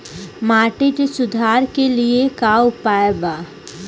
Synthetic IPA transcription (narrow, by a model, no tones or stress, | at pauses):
maːʈekesʊd̪ʱaːɾkeliekaʊpaːjbaː